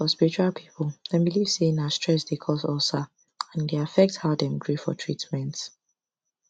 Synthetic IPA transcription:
fɔspiɹit͡ʃualpʰi̥pʰəld̥ɛ̃mbiliv̥sĩnastɹ̥ɛsd̥ekʰɔsɔsa | ãndeafɛk̚thaʊdɛ̃mɡɹifɔ̰tʰɹitmɛ̃nt

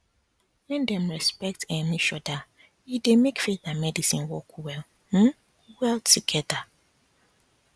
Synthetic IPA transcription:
nɛ̃ndɛ̃mɹɛspɛk̚tʰɛ̃mĩʃɔda | jidemekfeðamɛdisĩnwɔkʰuwɛl | m̩ | wɛltʰuɡ̥ɛda

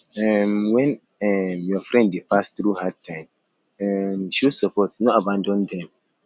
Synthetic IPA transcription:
ɛmwɛ̃n | ɛmjɔfɾɛ̃nddepʰastɾuhad̚tʰãɪ̃m | ɛmʃusapʰɔtnõabãndɔ̃ndɛ̃m

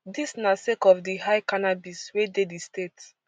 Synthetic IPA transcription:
disnasekɔfdiɦajkanabiswededistet

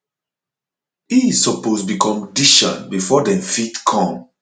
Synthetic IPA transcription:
izsɔposbikʰɔ̃mdiʃɔ̰̃nbifɔdɛ̃nfitkʰɔ̃m

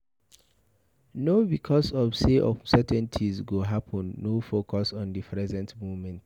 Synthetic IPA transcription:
nobikʰɔsɔv̥seʔɔ̰vsɛtɛ̃ntʰizɡoɦapʰɔ̃nːofokʰɔsɔ̃ndəpʰɹɛzɛ̃ntmuvmɛ̃nt

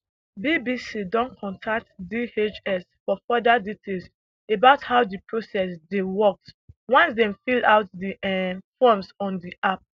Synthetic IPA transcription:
bibisidɔ̃nkʰɔ̃ntʰɹak̚tdiet͡ʃɛsfɔfɜdaditʰels | ebaʊthaʊdipʰɹosɛsdewɔk̚s | wɔ̃nsdɛ̃mfilaʊt̚diɛfɔmsɔ̃ndiʔap̚

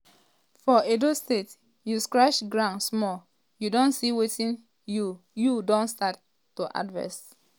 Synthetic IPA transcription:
fɔedostet | juskɹaʃɡɹãnsmɔl | judõnsiwetĩn | ju | judõnstat | tːuʔa̰dvɛ̰s

